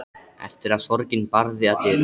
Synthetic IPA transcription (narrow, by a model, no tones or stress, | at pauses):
ɛ̰ft̪ɪɾaðsɔɾcɪnpaɾðɪat̪ɪ